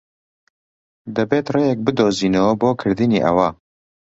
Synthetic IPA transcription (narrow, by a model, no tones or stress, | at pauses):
d̪ɐbeːt̪rejɛk̚bɨd̪oːziːnɐwɐboːkʰɨɾd̪ɨniʔɐ̰wa